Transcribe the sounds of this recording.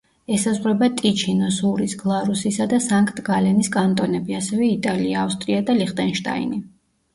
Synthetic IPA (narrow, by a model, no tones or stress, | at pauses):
ɛsazʁwɾɛbat̪ʼit͡ʃʰinɔsuɾisɡ̥lˠaɾusisad̪asaŋkʰʼt̪ʰʼɡalɛniskʼant̪ʼɔnɛbiasɛvɛit̪ʼaliaːfst̪ʼɾiad̪aliχt̪ʼɛnʃt̪ʼa̰ḭni